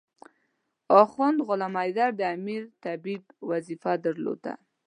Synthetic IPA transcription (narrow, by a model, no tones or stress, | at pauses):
ɑxɔnd̪ɣʊlɑmajd̪aɾd̪əamiɾt̪abibwazifad̪əɾlo̰d̪a̰